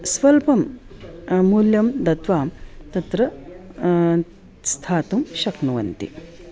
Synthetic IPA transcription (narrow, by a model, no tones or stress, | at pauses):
sʋɐlpɐmː | uːljɐmd̪ɐt̪ʋaːmt̪ɐt̪ɾɐ | st̪ʰaːt̪umʃɐknuʋɐnt̪ḭ